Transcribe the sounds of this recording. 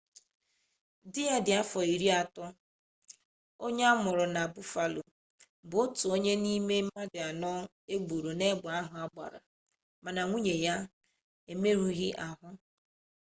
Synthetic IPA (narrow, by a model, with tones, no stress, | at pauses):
dɪ˦ja˦dɪ˨a˦fɔ˨i˨ɾi˦a˨tʊ˦ | o˦ɲe˦a˦mʊ˨ɾʊ˨na˨a˨bʊ˦fa˨lo˨ | bʊ˨ʊ˦tʊ˨o˦ɲe˦ni˦me˦ma˦dɪ˨a˨nɔ˦ | e˦ɡ͡bu˨ɾo˨ne˦ɡ͡ba˨a˦ɦʊ˦a˦ɡ͡ba̰˨ɾa̰˨ | ma˨na˨ŋʷu˦ɲe˨ja˦ | e˨me˦ɾu˦ɣɪ˦ʔa˨ɦʊ˦